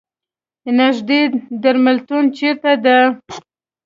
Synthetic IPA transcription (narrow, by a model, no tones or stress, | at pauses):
naʒd̪ed̪aɾmalt̪unt͡ʃeɾt̪ad̪ə